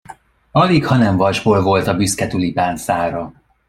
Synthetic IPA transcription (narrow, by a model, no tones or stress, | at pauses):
ɒlikhɒnɛɱvɒʒboːlvo̞lt̪ɒbyskɛt̪ylipaːnsaːɾɒ